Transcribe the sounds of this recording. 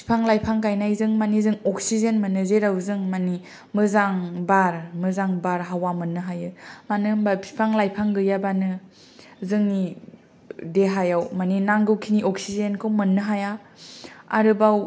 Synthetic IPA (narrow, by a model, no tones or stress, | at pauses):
pʰi̥pʰaŋlajpʰaŋkajnajzɯŋmanizɯŋɔk̚sizenmɯnɯzeɾawzɯŋmani | mɯzaŋbaɾmɯzaŋbaɾɦawamɯnːɯɦajɯmanɯbapʰi̥pʰaŋlajpʰaŋɡɯjabanɯ | zɯŋni | deɦajawmaninaŋɡɯwkʰiniʔɔk̚sizenkʰɯwmɯnːɯɦaja | a̰ɾɯbaw